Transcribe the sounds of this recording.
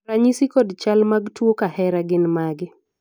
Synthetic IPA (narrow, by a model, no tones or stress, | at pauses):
ɾaɲisikɔdt͡ʃalmaɡtwokahɛɾaɡɪnmaɡɪ